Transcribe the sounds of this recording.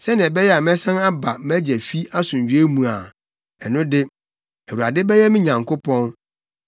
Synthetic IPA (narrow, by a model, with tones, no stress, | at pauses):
sɛ˦nɪ̃˨ɛ˨bɛ˦jɛ˦a˨mɛ̃˦sã˦na˦ba˨m˦æ˦d͡ʑɛ˨fi˦a˦sʊ̃˨ɲ˨ɥᶣɥe˦mũ˨a˨ | ɛ˨nʊ̃˦dɪ˦ | æ˨wu˨a̰˨dɪ˦bɛ˦jɛ˦mɪ̃˦ɲã˨ŋkʰʊ˦pʰɔ̃˦n